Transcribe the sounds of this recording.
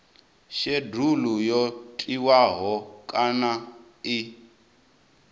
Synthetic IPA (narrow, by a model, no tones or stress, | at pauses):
ʃedulujɔtʼiwaɦɔkʼana | i